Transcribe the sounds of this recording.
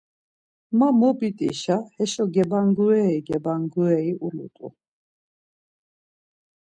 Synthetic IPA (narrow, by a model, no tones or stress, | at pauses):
mamɔbit̪ʼḭʃahɛʃɔɡɛbaŋɡuɛiɡɛbaŋɡuɛiʔulṵt̪ʼṵ